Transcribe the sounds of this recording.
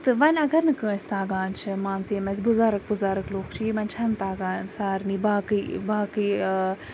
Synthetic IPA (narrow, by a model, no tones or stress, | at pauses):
t̪ɨʋɐnʲɐɡɐɾnɨkə̃ːsʲt̪aːɡaːnt͡ʃʰɨmãːnt͡siːmɐsbʊzaːɾɐk̚bʊzaːɾɐkloːkt͡ʃʰiimɐnt͡ʃʰɐnt̪aːɡaːnsaːɾniːbaːkɨbaːki